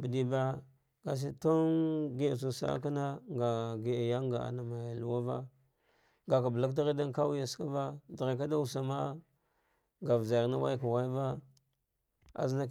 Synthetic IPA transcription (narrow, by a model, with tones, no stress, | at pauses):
bə˨di˨ba˦ | ɡa˨s̬i˦to˦nɡi˦˨s̬u˨sa̰˦ka˦na˦ŋɡa˨ɡi˨a˨ja˦ŋɡa˨a̰˨na˨ma˨ja˨lu˨wa˦va̰˦ | ŋɡa˨ka˨bla˦kda˦ɾa˦da˦n˦ka˦wu˦ja˨ska˦va˦da˨ɾa˨ka˦da˦u˨sa˨ma˦ | ŋɡa˨vza˨ɾna˦wa̰˦jka˨wa˦i˦va˦ | a̰˨zna˦